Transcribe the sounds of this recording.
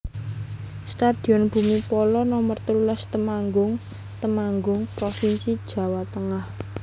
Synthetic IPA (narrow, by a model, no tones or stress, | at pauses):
st̪ad̥i̤ɔnb̥ṳmipɔlɔnɔmərt̪əlulast̪əmaŋɡʊŋ | t̪əmaŋɡʊŋpɾɔfinsid̥ʒ̥ä̤wat̪əŋah